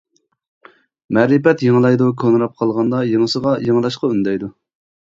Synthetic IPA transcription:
mɛɾɨpɛt̪jeŋlˠɑjd̪ukʰonɾɑp̚qʰɑlˠʁɑnd̪ɑjeŋəsəʁɑjeŋlˠɑʃqɑynd̪ɛjd̪u

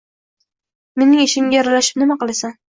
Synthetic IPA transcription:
me̞nɪŋɪʃɪmɡʲajɒɾalaʃɪ̥pnɪmaqɨlˠasan

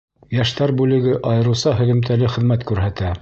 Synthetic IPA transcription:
jæʃt̪æɾbʉlɘ̆ɡɘʔɑjɤ̆ɾɤ̆wsɑɦɵ̆ðɘ̆mt̪ʰælɘχɘ̆ðmæt̪kʉɾɦæt̪æ

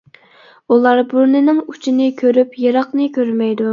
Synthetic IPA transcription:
ulˠɑɾbuɾnɪnɪŋu̥t͡ʃʰinɪkʲʰøɾypjeɾɑqnɨkʲʰøɾmɛjd̪u

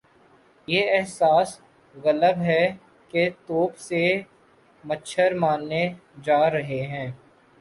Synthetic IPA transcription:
jeːɛɦsaːs | ɣɐləbɦɛ | ket̪oːpse | mətːʃʰəɾmaːnːed͡ʒaːɾɐɦeɦɛ̃ː

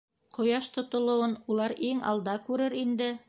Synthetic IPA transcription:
qŏjɑʃt̪ŏt̪ŏlˠŏwɤnulˠɑɾiŋɑ̰lˠd̪ɑkʉɾɘɾind̪ɘ

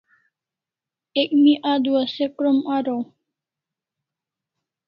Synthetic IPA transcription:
ekmiʔad̪ʋəsepɾəmaɾo

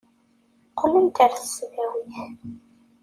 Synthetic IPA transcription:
qʰːələnt̪əɾθə̥svæwiθ

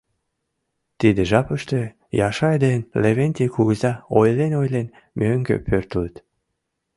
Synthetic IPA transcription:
t̪id̪eʒɑpəʃt̪ø̆ | jɑʃɑed̪enleβent̪ikuɣəzɑojlenojlen | møŋɡø̰pʰørt̪ələt̪

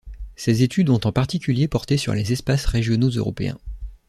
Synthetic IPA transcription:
sezet̪ʰyd̪ɔ̃t̪ɑ̃paʁt̪ikʲyljepɔʁt̪esy̰ʁlezɛspasʁeʒjɔnozø̰ʁɔ̰pḛɛ̰̃

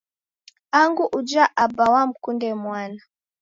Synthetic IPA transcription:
aŋɡuʔud͡ʒaʔabawam̩kundɛmwaːna

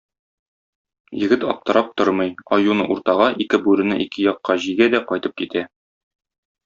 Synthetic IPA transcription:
jɘ̆ɡɘt̪ɒ̰p̚t̪ɤ̆ɾɑp̚t̪oɾmɤjɒjunɤʔuɾt̪ɑʁɑʔikɘbʉɾɘ̆nɘʔikɘjɒqːɑʑiɡæd̪æqɒjt̪ɤp̚kit̪æ

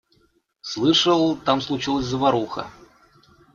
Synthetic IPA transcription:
slˠɨʂəlˠt̪amslˠʊt͡ɕilˠəsʲzəvɐɾuxə̰

